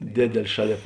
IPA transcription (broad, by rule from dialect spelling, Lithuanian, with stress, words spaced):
ˈdʲeːdʲeːlʲ ˈʃɑːˌlʲeːp